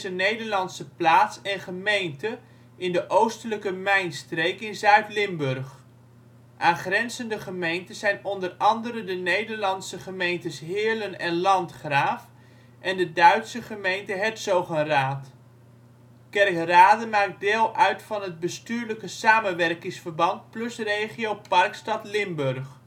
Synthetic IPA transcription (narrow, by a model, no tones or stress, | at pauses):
zənejdəɹlɑnsəplaːtsɛnχəmejntə | ɪndəʔowstələkəmɛjnstrejkɪnzœɥtlɪmbɵrχ | ʔaːnχrɛnzəndəχəmejntəzɛjnɔndərɑndəɾədənejdəɹlɑnsəχəmejntəsɦɪːɹlənɛnlɑntχraːf | ʔɛndədœɥtsəχəmejntəɦɛtsowχənraːt | kɛrkraːdəmaːk̚dɪːlˠœɥtfɑnɦəd̚bəstyːɹləkəsaːmənʋɛrkɪŋsfəɹbɑnt̚plɵsrejχijowpɑrkstɑtlɪmbɵɹχ